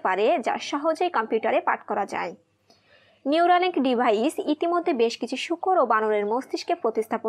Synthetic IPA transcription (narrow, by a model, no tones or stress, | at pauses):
paɾed͡ʑa̰ʃɔɦod͡ʑojkɔmpjuʈaɾepa̰ʈkɔɾad͡ʑa̰e | niuɾaleŋkɖibʱaisit̪imod̪ʱːebeʃkit͡ɕʰuʃukʰoɾobanoleɾmosd̪iʃkepɾot̪ist̪ʰapo